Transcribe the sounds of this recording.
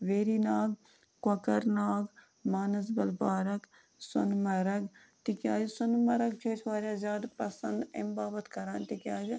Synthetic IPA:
ʋeːɾiːnaːɡ | kwɐkəɾnaːɡ | maːnɐzbɐlbaːɾɐk | sʊ̰nmɐɾɐɡ | t̪ikʲjaːjisʊnmɐɾɐɡ̚t͡ʃʰeːt͡ʃʰʋaːɾʲjaːzʲjaːd̪pɐsɐnd̪ɪ̰mbaːbɐt̪kɐɾaːnt̪ikʲjaːd͡ʒ

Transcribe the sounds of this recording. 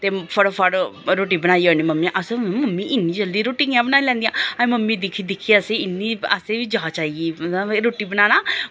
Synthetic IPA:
t̪efʰəɽfʰəɽɾoːʈ̬ibənaːiənimɐmːiãʔəsəmɐmːiʔɪnːid͡ʒəld̪iɾoːʈɪ̃ŋjãbənaːilɛ̃ːnd̪ijãːãĩməmːid̪ikʰid̪ɪkʰiəseɪnːiə̰sebʱid͡ʒat͡ʃaːiiɾoːʈibənaːnaː

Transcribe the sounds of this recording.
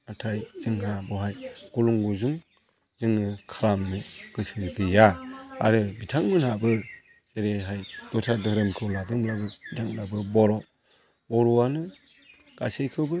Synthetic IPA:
atʰajzɯŋɦabɔhajɡ̥uluŋɡuzuŋ | zɯŋɯkʰaɾamːɯɡ̥ɯsɯɾkʰɯjaa̰ɾɯbitʰaŋmɯnhabɯ | z̥eɾeɦajd̥ɔtʰadɯhɾɯmkʰɯwladɯŋblabɯbitʰaŋlabɯbɔɾɔ | bɔɾuanɯ | ɡ̥asejkʰɯbɯ

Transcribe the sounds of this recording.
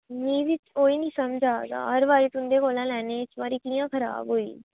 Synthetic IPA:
nĩːʋɪt͡ʃoːiːnĩːsəmd͡ʒʱaːɡa̰ːɦəɾʋaːɾiːt̪ʊnd̪eːkoːlãːlɛːneːt͡ʃʋaːɾiːkiːjãːkʰəɾa̰ːbɦoːḭː

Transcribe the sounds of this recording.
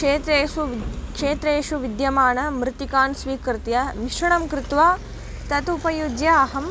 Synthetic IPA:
eːt̪ɾeːukʂeːt̪ɾeːʃuʋid̪jɐmaːnɐmɾɪt̪ikaːnsʋiːkɾt̪jɐmiʃɾɐɳɐmkɾɪt̪ʋaː | t̪ɐt̪upɐjud͡ʒjɐːɦɐm

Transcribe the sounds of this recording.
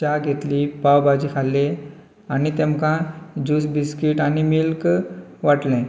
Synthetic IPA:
aɡʱet̪lipawbad͡ʑiːkʰalːẽ | añit̪emkãd͡ʑusbiskiʈañimilkʋaʈlẽ

